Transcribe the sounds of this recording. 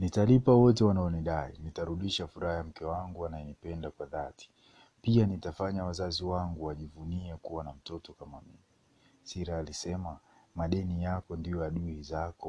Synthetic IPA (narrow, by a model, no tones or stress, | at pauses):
nitalipawɔtɛwanaɔniɗainitaɾuɗiʃafuɾaham̩kɛwaŋɡuanaɛnipɛndakwaðati̥ | pianitafaɲawazaziwaŋɡuwaʄivuniɛkuwanam̩tɔtɔkamamimi | siɾaːlisɛmamaɗɛnijakɔndijɔaɗuizakɔ